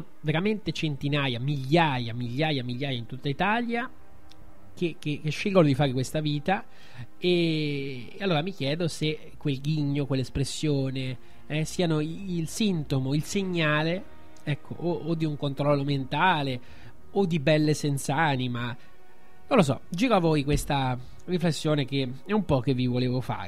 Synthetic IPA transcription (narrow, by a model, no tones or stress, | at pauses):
veɾament̪et͡ʃent̪inaːjamiʎːaːjamiʎːaːjamiʎːaːjaint̪ut̪ːait̪aːlja | kekːekːeʃːilɡolod̪ifaːɾekwest̪aviːt̪a | eː | alːoːɾamik̟jɛːd̪ose | kwelɡiɲːokwelːespɾesːjoːne | ɛsiːanoilsint̪omoilseɲːaːle | ɛkʰːo̰ʔood̪ːiuŋkont̪ɾɔlːoment̪aːle | od̪ːibɛlːesɛnt̪saanima | nonlos̬ɔ̰d͡ʒiːɾoavːojkwest̪a | riflesːjoːnek̟eɛumpɔkevivoleːvofa̰ːɾ